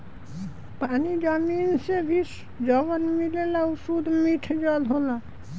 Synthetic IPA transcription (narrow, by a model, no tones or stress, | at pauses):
panid͡ʑaminsebʱis | d͡ʑɔβanmilelausud̪miʈʰd͡ʑɔlɦola